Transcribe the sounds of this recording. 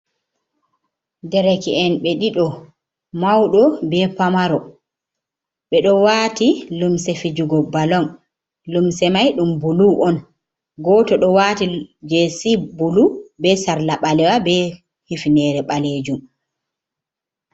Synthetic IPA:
dɛɾɛkiɛnɓɛɗiɗɔ | mawɗɔbɛpamaɾɔ | ɓɛɗɔwaːtilumsɛfid͡ʒuɡɔbalɔn | lumsɛmajɗumbuluʔɔn | ɡɔtɔɗɔwaːtid͡ʒɛsibulubɛsaɾlaɓalɛwabɛ | hifinɛɾɛɓaled͡ʒum

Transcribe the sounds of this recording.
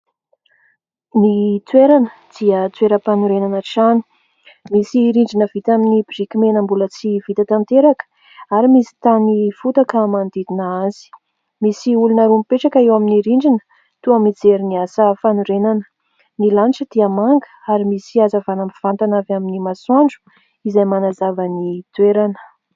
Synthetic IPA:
nit͡sweɾanəd̪̥iət͡sweɾəpanuɾenanaʈ͡ʂani̥ | misiɾiɳɖ͡ʐinəvit̪aminibiʐikimenəmbulət͡sivit̪at̪ant̪eɾakə̥ | aɾimisi̥t̪anifut̪akəmand̪id̪inəazi̥ | misiulunəɾumpeʈ͡ʂakaewaminiɾiɳd͡ʒinə̥ | t̪uamid͡zeɾiniasəfanuɾenanə̥ | nilanʈ͡ʂəd̪̥iamaŋɡə̥aɾimisiazəvanamv̥ant̪anavaminimaswaɳɖ͡ʐu̥ | izajmanazavənit̪weɾanə̥

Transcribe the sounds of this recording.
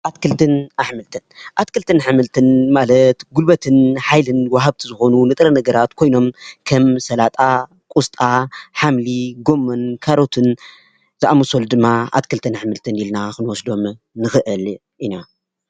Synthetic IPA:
ʔat̪kʰɨlt̪ɨnaħmɨlt̪ʰɨnʔat̪kɨlt̪ʰɨnħɨmɨlt̪ʰɨnmalɐt̪ɡulbɐt̪ʰɨnħajlɨnwaɦaβt̪ʰizɨxo̞nunɨt̪ʼɾɐnɐɡɐɾat̪kʰo̞jno̞mkʰɐmsɐlat̪ʼa | kʼust̪ʼaħamliɡo̞mːɐnkʰaɾo̞t̪ʰɨn | zɨʔamosold̪ɨmːaa̰t̪kʰɨlt̪ʰɨnħmɨlt̪ʰɨnilnaxɨnwɔsd̪o̞m | nɨxɨʔɨl | ʔina

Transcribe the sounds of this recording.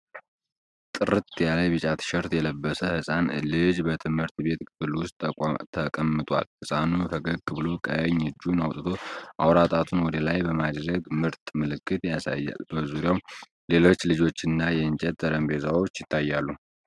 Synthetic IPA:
t̪ʼɨɾɨt̪jaləbɨt͡ʃʼat̪ʰɨ̥ʃɛɾt̪jɛləbːəsəhɨsʼanlɨd͡ʒbət̪ʰɨmhɨɾt̪be̞t̪kʰɨfɨlwʊst̪ʼt̪ʰːəkʼəmːɨt̪ʼwa̰lhɨsʼanufəɡəɡ̚kʰːɨβɨlo̞kʼə̰jɛɲɨd͡ʒːunawt̪ʼɨt̪ʰo̞ʔawɾat̪ʼat̪ʰunwɔd̪əlajbəmad̪ɾəɡmɨɾt̪ʼmɨlɨkːɨt̪jasa̰jːa̰lbəzuɾjaw | le̞lo̞t͡ʃːlɨd͡ʒo̞t͡ʃːɪnːajɛɨnt͡ʃʼɛt̪ʼːəɾəmbe̞zawot͡ʃːjɪt̪ʰːajːalːu

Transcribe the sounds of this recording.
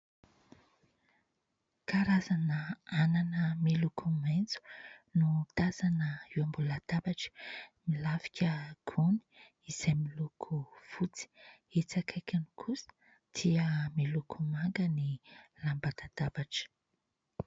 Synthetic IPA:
kaɾazanəananəmilukʰument͡su̥nut̪azanəiwambulad̪̥abaʈ͡ʂə̥milafi̥kʲʰəɡ̥ʰuni̥ | iz̥ajmilukʰuv̥ut͡si̥et͡sakʰajkʲanikʰusə̥ | d̪̥iəmilukʰumaŋɡənilambad̪ad̪̥abaʈ͡ʂə̥

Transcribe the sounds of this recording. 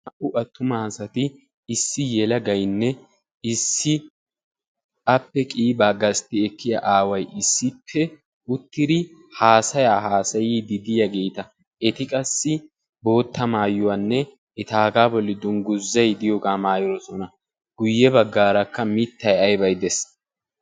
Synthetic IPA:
ɐʔʊʔɐt̪ːʊmɐhɐsɐt̪ɪː | sːɪjɛlɐɡɐjnːɛ | ɪsːɪ | ʔɐpːɛkʼiːbaːɡɐst̪ɪɛkːɪja̰ʔaːwɐjʔɪsːɪpʰːɛ | ʊt̪ːɪd̪ɪhaːsɐjaːɦaːsɐjid̪ɪd̪ɪjɐɡeːt̪ɐ | ɛt̪ɪkʼɐsːɪ | bo̞ːt̪ːɐmaːjʊwaːnːɛ | ɛt̪aːɡaːbɔlːɪd̪ʊnɡʊzːɐjd̪ɪjoːɡaːmaːjɪɾɔsɔnɐ | ɡ̥ʊjːɛbɐɡːaːɾɐkːɐmɪt̪ːɐjɐjbɐjd̪ɛs

